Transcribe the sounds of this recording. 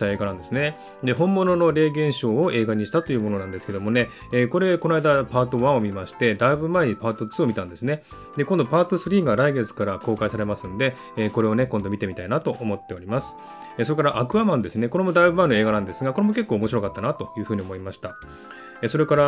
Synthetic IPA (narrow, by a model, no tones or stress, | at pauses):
t̪ae̞ːɡanãnd̪e̞sɨne̞ | d̪e̞ɦõ̞mːonono̞ɾe̞ːɡẽ̞ɰ̃ɕo̞ːoe̞ːɡaɲ̟iɕi̥t̪at̪o̞jɯ̟ːmo̞no̞nãnd̪e̞sɨ̥ke̞d̪o̞mo̞ne̞ː | ko̞ɾe̞ko̞naid̪apaːt̪o̞βãɰ̃omʲimaɕi̥t̪e̞d̪aibɯ̟maeɲipaːt̪o̞t͡sɨːomit̪ãnd̪e̞sɨne̞ | d̪e̞kõnd̪o̞paːt̪o̞sɨɾʲiːŋɡaɾaiɡe̞t͡sɨ̥kaɾako̞ːkaisaɾe̞masɨ̃nd̪e̞ː | ko̞ɾe̞o̞ne̞kõ̞nd̪o̞mʲit̪e̞mit̪ainat̪o̞ʔːmo̞t̪ːe̞o̞ɾʲimasɨ̥ | esoɾe̞kaɾaʔakɯ̟amãnd̪e̞sɨne̞koɾe̞mo̞d̪aibɯ̟baĩno̞e̞ːɡanãnd̪e̞sɨɡako̞ɾe̞mo̞kekːoːmo̞ɕiɾo̞kat̪ːanat̪o̞jɯ̟ːɸɯ̟ːɲ̟iomoimaɕi̥t̪a | eso̞ɾe̞kaɾa